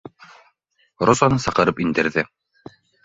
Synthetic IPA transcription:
ɾozɑnɤsɑqɤ̆ɾɤpind̪ɘ̆ɾðɘ

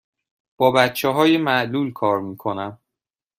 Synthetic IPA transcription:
b̥ɒːbæt̪t͡ʃʰeɦɒːjemæʔluːlkʰɒːɾmiːkʰonæm

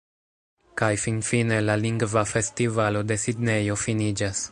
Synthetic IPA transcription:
kajfinfine̞laliŋɡvafe̞stivalo̞de̞sidne̞jo̞finid͡ʒas

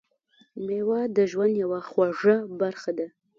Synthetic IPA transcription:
mewɑd̪əʒwand̪jawaxwaʐabaɾxad̪a

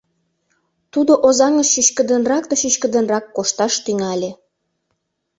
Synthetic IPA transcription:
t̪ud̪oʔozɑŋəʃːyʃkə̆d̪ə̆nrɑkt̪ɤʃyʃkə̆d̪ə̆nrɑkːoʃt̪ɑʃt̪yŋɑlʲĕ

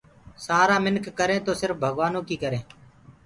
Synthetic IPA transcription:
saːɾaːmɪnkːəɾẽːt̪oːsɪɾfbʱəɠʋaːnõːkiːkəɾẽː

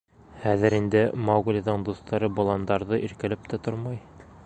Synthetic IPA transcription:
hæðɘɾind̪ɘmɑwɡlʲɑðɤɴd̪ust̪ɑɾɤbŏlˠɑnd̪ɑɾðɤʔiɾkɘ̆lɘp̚t̪æt̪oɾmɑj

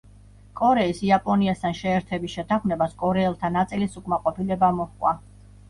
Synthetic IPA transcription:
kʼɔɾɛisiapʼɔniast̪ʰanʃɛːɾt̪ʰɛbisʃɛt̪ʰaχmɛbaskʼɔɾɛɛlˠt̪ʰanat̪sʼilisukʼmaqʼɔpʰilɛbamɔhkʼwa

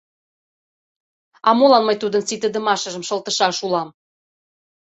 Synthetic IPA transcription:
ɑmolɑnmə̆jt̪ud̪ənsit̪əd̪ə̆mɑʃə̆ʒə̆mʃə̆lt̪ə̆ʃɑʃulɑm

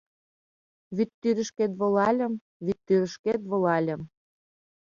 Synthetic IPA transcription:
βyt̪ːyɾə̆ʃket̪̬βŏlɑlʲə̆m | βyt̪ːyɾə̆ʃket̪βŏlɑlʲə̆m

